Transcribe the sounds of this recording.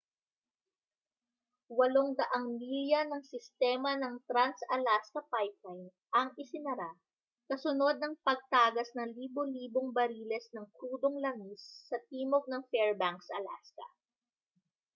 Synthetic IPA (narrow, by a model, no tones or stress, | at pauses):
wɐloŋd̪ɐʔaŋmiljɐnɐŋsɪst̪ɛːmɐnɐŋt̪ɾansɐlaskɐpajp̚lajn | ʔɐŋʔɪsɪnɐɾa | kɐsʊno̞d̪̚nɐŋpɐɡ̚t̪aːɡɐsnɐliːboliːboŋbɐɾiːlɛsnɐŋkɾuːd̪oŋlɐŋisːɐt̪̚iːmoɡ̚nɐŋfɛɹbaŋksɐɐla̰skɐ̰